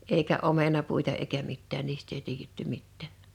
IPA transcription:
eikæ ʔomenɑpuitɑ eikæ mitːæːn niːstˑ ei tiːjetːy mitːæˑ

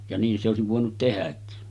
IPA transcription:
jɑ niːn se oˑesiʋ ʋoˑenut tehækːi

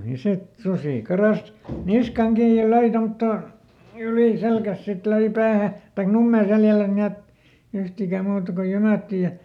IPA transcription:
jɑ sit susiˑ kɑrɑs niskɑŋ kiːj jɑ løi tomtːoˑ yliˑ selkæs sit løi pæːhæ tɑik numːeː seljælæs niet yhtikæ muːtɑ ko jymæˑtːi jɑ

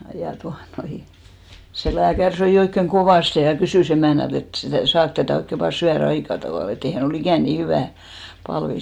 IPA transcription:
jɑ tuɑnoi se læːkær søi oikːeŋ koʋɑˑste jɑ kysyˑs emæˑnælt et sitæˑ sɑːk tætæˑ oikːe ʋɑː syær ɑikɑ tɑʋɑˑl et ei hæn ol ikæˑn niː hyʋæˑ pɑlʋi

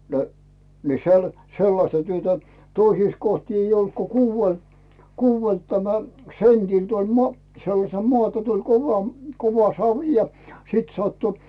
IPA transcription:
nə ni se ol selːɑstɑ tyøtæ toisiːs kohti eij olt ko kuːʋel kuːʋelt tæmæ sentild̥ olʲ mo selːɑsel moɑˑtɑ tulʲ koʋɑ koʋɑ sɑʋĭ jɑ sit sɑtːu

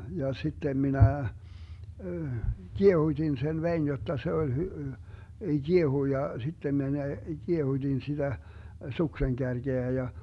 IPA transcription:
jɑ sitːem minæ kiehutʲin sen ʋein jotːɑ se olʲ hy ɡ̊iehui jɑ sitːem mene kiehud̥in sid̥æ sukseŋkærɡ̊eæ jɑ

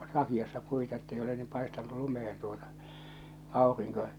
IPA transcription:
sɑkiɑsːɑ puitɑ etːei ole niːm pɑestɑnˑu lumehen tuotɑ ɑˑoriŋko

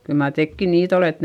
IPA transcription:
kyl mɑr tekːin niːt olet

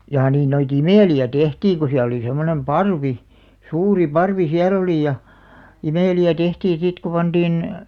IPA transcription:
jɑː niːn noit imeˑliæ tehtiːŋ ku siæl oli semːonem pɑrʋi suːri pɑrʋi siæl oliˑ jɑ imeˑliæ tehtiːn sit ku pɑnd̥iːn

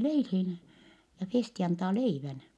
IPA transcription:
leilhiːn jɑ festi ɑntɑː leiʋæn

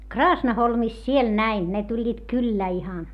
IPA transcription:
krɑːsnɑholmis siel næin ne tulʲːiːt kylːæˑ ihɑn

